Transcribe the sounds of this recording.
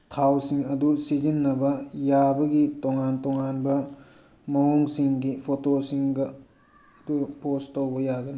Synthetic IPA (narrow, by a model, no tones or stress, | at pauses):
tʰawsiŋɐdusid͡ʒinːɐbɐjabɐɡitoŋantoŋanbɐ | mɐwuŋsiŋɡipʰotosiŋɡɐː | dupostowbɐjaɡɐni